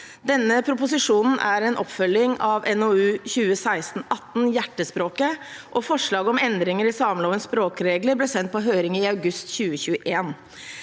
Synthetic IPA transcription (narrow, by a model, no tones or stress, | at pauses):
d̪ɛnːəpʰɾʊpʊsɪʂuːnn̩ʔæɾɛnʔɔpfœlːɪŋɑʋɛnoʉːçʉːəsæɪst̪n̩ɑt̪ːn̩jæʈːəspɾoːkəʔɔfɔʂɭɑːɡəɔmɛnd̪ɾɪŋəɾɪsɑːmloːʋənspɾoːkɾeːɡləɾblɛːsɛnt̪̚pʰɔɦøːɾɪŋɪɑʉɡʉst̪çʉːəçʉːəʔeːn